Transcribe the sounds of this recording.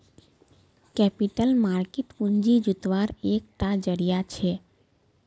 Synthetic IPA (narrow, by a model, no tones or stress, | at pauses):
kɛpiʈəlmaɾkeʈuɲd͡ʒid͡ʒut̪ʋaɾek̚ʈad͡ʒəɾijat͡ʃʰe